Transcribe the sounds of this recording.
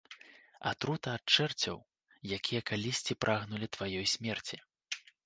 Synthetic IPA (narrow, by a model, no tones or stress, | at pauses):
a̰t̪ɾut̪ɐːt͡ʂɛrt͡sʲɐ̰w | jakʲʰijɐkalʲisʲt͡sʲipɾʔaɣnulʲit̪vajɔjsʲmʲɛrt͡sʲi